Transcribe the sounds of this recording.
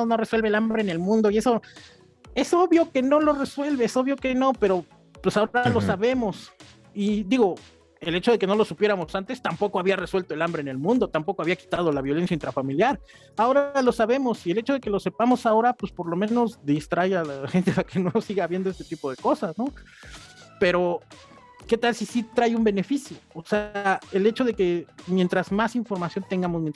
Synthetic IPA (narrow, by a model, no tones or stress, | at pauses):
no̞reswelβeːlambɾe̞ne̞lmũnd̪o̞ie̞so̞ | e̞so̞βjo̞ke̞no̞lo̞re̞swe̞lβeeso̞βjo̞keno̞pe̞ɾo̞ | pwesaoɾalosaβe̞mo̞s | id̪iɣo̞ | e̞le̞t͡ʃoðe̞ke̞no̞lo̞supje̞ɾamo̞sant̪e̞st̪ampo̞ko̞aβiare̞swelt̪oe̞lambɾene̞lmũnd̪o̞t̪ampo̞koaβiaki̥t̪að̞olaβjo̞le̞nsjaint̪ɾafamiljaɾ | ao̞ɾalo̞saβe̞mo̞sie̞le̞t͡ʃo̞ð̞e̞ke̞lo̞se̞pamo̞sao̞ɾapwespo̞ɾlo̞mẽ̞no̞zd̪ist̪ɾajalaxent̪e̞pakenosiɣaːβjend̪oest̪et̪ipo̞ðe̞ko̞sasno̞ | pe̞ɾo̞ | ke̞t̪alsisit̪ɾajumbe̞ne̞fisjo̞ːseae̞le̞t͡ʃo̞ðe̞ke̞mje̞nt̪ɾaz̥masiɱfo̞ɾmasjo̞nt̪eŋɡamo̞smjen